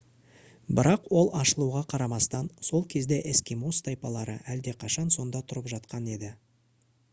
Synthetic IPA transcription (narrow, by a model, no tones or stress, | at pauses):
bɪɾɑqwo̞lˠɑʃəlˠuʁɑqʰɑɾɑmɑst̪ɑnso̞lˠkʲʰe̞zd̪e̞ʔeskʲimost̪ɑjpɑlˠɑɾə̰ʔæld̪e̞qʰɑʃɑnso̞nd̪ɑt̪ʰʊɾəpʒɑt̪qɑne̞d̪ɪ